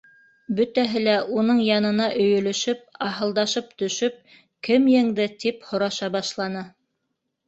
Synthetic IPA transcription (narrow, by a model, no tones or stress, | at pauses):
bɵ̆t̪æɦɘl̪æʔunɤɴjɑnɤ̆nɑʔɵ̆jɵ̆lɵ̆ʃɵp̚ɑɦɤ̆lˠd̪ɑʃɤpt̪ɵ̆ʃɵp̚ | kɘmjɘ̆ŋd̪ɘt̪iphŏɾɑʃɑbɑʃlˠɑnɤ